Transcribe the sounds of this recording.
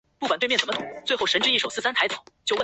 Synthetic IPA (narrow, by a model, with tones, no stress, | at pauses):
pu˥˩kwa˨˩nt̪wt͡sə˨˩m˧˥ʊ˨˩˦t͡swe˥˧ɪxo˥˩ʊʂə˧˥nʈ͡ʂɻ̩˥i˥˩ʂo˨˩ʊsɹ̩˥˩sa˥nt̪ʰa˧ɪt͡sʰɑ˨˩˦t͡ɕjo˥˧ʊwə˥˩